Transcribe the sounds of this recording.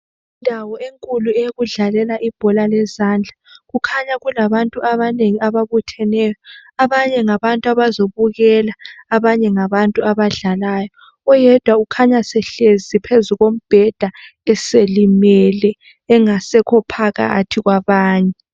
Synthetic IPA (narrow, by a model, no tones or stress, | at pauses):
indʱawɔeŋkʼuluɛjɣuɮalɛlaʔib̥ʱɔlalɛzand͡ɮʱaɣukʰaɲaɣulaβantʼuʔaβaneŋiaβaβutʰɛnɛjɔaβaɲɛŋaβantʼuaβazoβuɣɛlaːβaɲɛŋaβantʼuaβaɮalajɔ | ɔjɛd̥ʱwaukʰaɲasɛɬezipʰezuɣom̩b̥ʱɛd̥ʱaɛselimɛlɛː | ŋasɛkʰɔpʰaɣa̰tʰiɣwaβaːɲɛ